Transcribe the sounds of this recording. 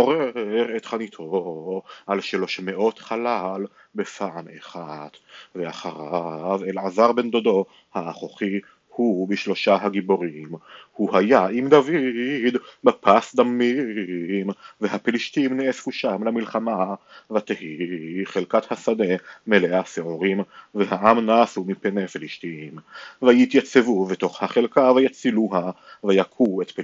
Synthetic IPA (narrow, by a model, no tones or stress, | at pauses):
oʁeʁet̪χanit̪ʰo̞ | ʔalʃalo̞ʃmeʔo̞t̪χalal | befaʕamḛχad̪̥veaχaʁavelʕazaʁbend̪od̪o̞ | haːχoχi | hubiʃlo̞ʃaɦaɡibo̞ʁimhuhajaimd̪avid̪bepasd̪ami | mvehapeliʃt̪imneesfuʃamlamilχamavat̪ehiχelkat̪hasad̪e̞meleaseoʁimvehaʔamnaːsumipenefiliʃt̪iimvajit̪jat͡sevuvet̪o̞χhaχelkavajat͡siluɦa | vejakʰuet̪pe